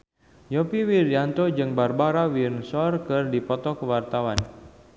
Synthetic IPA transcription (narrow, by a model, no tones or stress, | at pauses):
jopiwirjant̪od͡ʒɨŋbarbaɾawinsɔrkɨrdipɔt̪ɔkəwart̪awan